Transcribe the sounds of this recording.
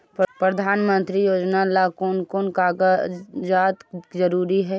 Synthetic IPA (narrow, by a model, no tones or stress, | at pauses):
ppɾəd̪ʱaːnmə̃nt̪ɾijoːd͡ʒnalakoːnkoːnkaːɡad͡ʒaːt̪zəɾuːɾiɦɛː